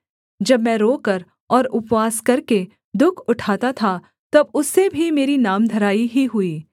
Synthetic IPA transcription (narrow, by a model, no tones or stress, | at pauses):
d͡ʒɐbmɛ̃ːɾoːkɐɾ | ɔːɾʊpwaːskɐɾke | d̪ʊkʰʊʈʰaːt̪at̪ʰa | t̪ɐbʊsːebʱimeːɾinaːmd̪ʱɐɾaːiɦiɦʊiː